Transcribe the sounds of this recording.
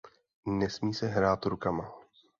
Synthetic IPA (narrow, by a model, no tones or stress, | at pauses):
nɛsmiːsɛɦɾaːt̪ɾukama